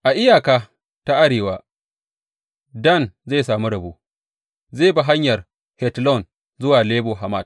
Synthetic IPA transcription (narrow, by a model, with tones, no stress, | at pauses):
ʔa˨ʔɪ˦jaː˨kaː˦ | ta˦ʔa˦ɽeː˨waː˦ | dɐ˦˨nzeː˦˨saː˨mi˦ɽɐ˨buː˦ | zeː˦˨ba˨ɦa˦ɲjɐ˨r | hɛ˨tlɔ˦˨n | zʊ˦waː˨leː˦boː˨ɦa˨ma˦˨d̚